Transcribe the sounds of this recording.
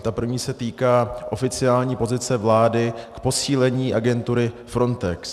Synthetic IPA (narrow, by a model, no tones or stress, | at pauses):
t̪apr̩vɲiːsɛt̪iːkaːʔo̞fɪt͡sɪaːlɲiːpo̞zɪt͡sɛvlaːdɪkpo̞siːlɛɲiːʔaɡɛnt̪uɾɪfɾo̞nt̪ɛks